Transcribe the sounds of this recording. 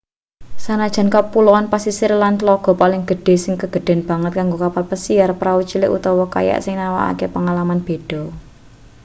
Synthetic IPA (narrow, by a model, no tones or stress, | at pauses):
sanad̥ʒ̥ä̤nkəpulɔanpasisɪrlant̪lɔɡ̥ɔ̤palɪŋɡ̥ə̤ɖ̥e̤sɪŋkəɡ̥ə̤ɖ̪̥ɛ̤nb̥a̤ŋət̪̚kaŋɡokapalpəsiarpəɾawut͡ʃilɪ̰ʔṵt̪ɔwɔka̰ja̰ʔsɪŋnawa̰ʔa̰kepəŋalamanb̥e̤d̥ɔ̤